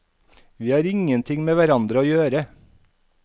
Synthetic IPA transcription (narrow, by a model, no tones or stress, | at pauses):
ʋiːhɑːɾɪŋənt̪ʰɪŋmeːʋæɾɑnd̪ɾəoːjøːɾə